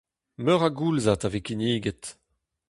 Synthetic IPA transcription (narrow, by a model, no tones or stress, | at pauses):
mœʁaɡulzatavekiniːɡɛt